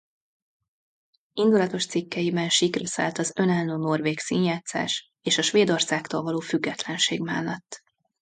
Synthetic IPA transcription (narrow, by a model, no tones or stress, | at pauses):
ind̪ulɒt̪o̞ʃt̪sikːɛjibɛnʃikrøsa̰ːlt̪ɒzø̞nalnoːno̞rveːksiːnjaːt̪sa̰ːʃ | eːʃɒʃʋeːd̪o̞rsaːkt̪oːlvɒloːfyɡːɛt̪lɛnʃḛːɡma̰ːlːɒt̪ː